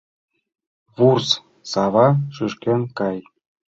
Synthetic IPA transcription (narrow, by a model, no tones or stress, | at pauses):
vurs | sɑvɑʂyʂkʲenkɑj